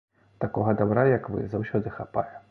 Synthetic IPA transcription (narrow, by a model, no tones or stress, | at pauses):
t̪akɔɣɐd̪abɾajɐkvɨ̰zawsʲɔd̪ɨxapa̰jɛ